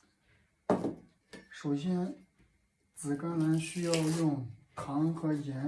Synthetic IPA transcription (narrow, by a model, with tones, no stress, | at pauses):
ʂo˨˩ʊɕjɛ˥n | t͡sɹ̩˨˩ka˥nnə˧˥nɕy˥jɑ˥˧ʊjʊ˥˩ŋt̪ʰɑ˧˥ŋxɤ˧˥jɛ˧˥